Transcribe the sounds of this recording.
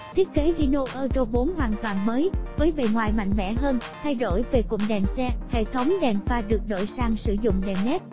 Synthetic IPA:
t̪ʰi˦˥ət̚ke˨˦ʔi˧no˧ʔəː˧t͡ɕo˧ɓo˨˦nɦwaː˨˩nt̪waː˨˩nməː˨˦jvəː˨˦jve˨˩ŋwaː˨˩jma̰˧˨jŋ̟mɛ̰˧˥ɦəː˧nt̪ʰa˧jɗo˧˩jve˨˩kʊ̰˧˩ŋ͡m̚ɗɛ˨˩msɛ˧hḛ˧˨t̪ʰə˨˦wŋ͡mɗɛ˨˩mfaː˧ɗɨ˨˩ək̚ɗo̰˧˩jsaː˧ŋsɨ̰˧˩zʊ̰˧˨ŋ͡mɗɛ˨˩mnɛ˦˥t̚

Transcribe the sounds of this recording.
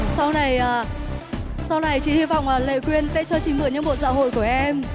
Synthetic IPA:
sa˧wna˨˩jʔaː˨˩ | sa˧wna˨˩jt͡ɕḭ˧˨hi˧vɔ̰˧˨wŋ͡mlaː˨˩lḛ˧˨kwi˧ənsɛ̰˧˥t͡ɕɔ˧t͡ɕï˨˩ŋmɨ˨˩ɲɨ̰˧˥ŋmɓo̰˧˨sa̰ː˧˥ho̰˧˨jku˧˩əʔɛ˧m

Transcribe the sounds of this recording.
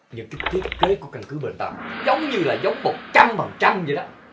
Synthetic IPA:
ɲɨ̰˧˥ŋkaː˨˦t̪ʰi˦˥ət̚ke˨˦ku˧˩əka˧nkɨ˨˦ɓḛ˧˩nt̪a̰ː˧˨˩zə˨˦wŋ͡mɲɨ˧laː˨˩zə˨˦wŋ͡mmo˨˩t̚t͡ɕa˧mva˨˩ŋt͡ɕa˧mzə˨˩jɗɔ˨˦

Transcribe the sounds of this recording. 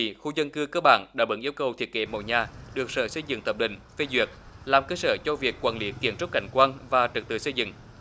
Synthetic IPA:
xu˧zə˧nkɨ˧kəː˧ɓa̰ː˧˨nɗa̰ː˧˥ɓə̰˨˦nʔi˧əwkə˨˩wt̪ʰi˨˩ət̚kḛ˧˦mo̰˧˨jɲaː˨˩ɗɨ˨˩ək̚sə̰ː˧˩sə˧jzɨ̰˧˥ŋt̪ʰə˨˧˩p̚ɗḭ̈˧˨ŋ̟fe˧zwi˨˩ət̚ | laː˨˩mkəː˧səː˧˩t͡ɕɔ˧vi˨˩əkːwaː˧˩nli˨˦ki˧˩ənso˦˥k͡p̚ka̰˧˩jŋ̟kwaː˧nvaː˨˩t͡ɕɨ˨˩t̚t̪ɨ̰˨˩sə˧jzɨ̰˧˨ŋ

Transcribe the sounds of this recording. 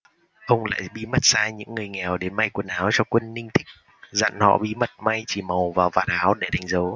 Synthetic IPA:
ʔə˧wŋ͡mla̰ː˧˨jɓi˧mə˦˥t̚saː˧ɲɨ̰˧˥ŋːɨ˨˩əjŋɛ˨˩wɗe˨˦nma˧jkwə˧˩nʔaː˨˦wt͡ɕɔ˧kwə˧nːï˧ŋt̪ʰï˦˥k̚ | zə̰˧˨nhɔ̰˧˨ɓḭ˧mə˦˥t̚ma˧jt͡ɕi˧˩mə˨˩wvaː˨˩wvaː˨˩nhaː˨˦wɗe˧˩ɗa˨˦jŋ̟zə˨˦w

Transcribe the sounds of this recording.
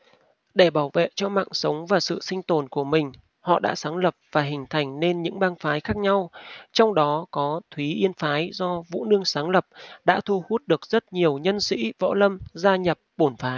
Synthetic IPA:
ɗe˧˩ɓaː˧˩wvḛ˧˨t͡ɕɔ˧ma̰ː˧˨ŋsə˨˦wŋ͡mvaː˨˩sɨ̰˧˨sï˧ŋ̟t̪o˨˩nku˧˩əmï˨˩ŋ̟ | hɔ̰˧˨ɗa̰ː˧˥saː˨˦ŋlə˨˩p̚v̥aː˨˩ɦï˨˩ŋ̟t̪ʰa˨˩jŋ̟ne˧nɲɨ̰˧˥ŋɓaː˧ŋfaː˨˦jxaː˦˥k̚ɲa˧wt͡ɕɔ˧wŋ͡mɗɔ˨˦kɔ˨˦t̪ʰwi˨˦ʔi˧ənfaː˨˦jzɔ˧vṵ˧˥nɨ˧əŋsaː˨˦ŋlə˨˩p̚ɗa̰ː˧˥t̪ʰu˧hu˦˥t̚ɗɨ˨˩ək̚zə˦˥t̚ɲi˨˩əwɲə˧nsḭ˧˥vɔ̰˧˥lə˧mzaː˧ɲə˨˩p̚ɓo˧˩nfaː˨˦j

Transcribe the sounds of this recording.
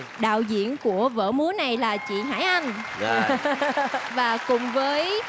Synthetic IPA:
ɗa̰ː˧˨wzḭ˧˨ənku˧˩əvə̰ː˧˥mu˨˦na˨˩jlaː˨˩t͡ɕḭ˧˨ɦa̰ː˧˥jʔa˧jn | vaː˨˩kʊ˨˩ŋ͡mvəː˨˦j

